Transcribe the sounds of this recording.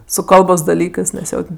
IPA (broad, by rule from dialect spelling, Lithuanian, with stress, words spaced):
sʊ ˈkɐlˠboːs dɐˈlʲiːkɜs nʲɛs ˈjoː tʲɛn